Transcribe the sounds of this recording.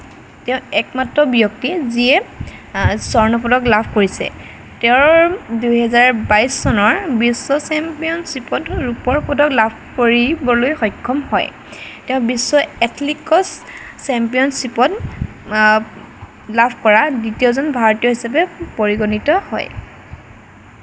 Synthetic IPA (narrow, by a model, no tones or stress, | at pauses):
tɛʊ̃ɛkmatɹɔbijɔk̚tiziɛ | sɔɹnɔp̬ɔdɔklabʱkoɹisɛ̰ | tɛʊ̃duɦɛzaɹbajsːɔnɔɹbisːɔsɛmpijɔnsipɔtɹupɔɹpɔdɔklabʱkoɹibɔlojxɔjkʰːɔmhɔ̰j | tɛʊ̃bisːɔɛtʰlikɔsː | ɛmpijɔnsipɔt | labʱkɔɹaditiɔzɔnbʱaɹɔtijɔɦisapɛpoɹiɡɔnitɔhɔ̰j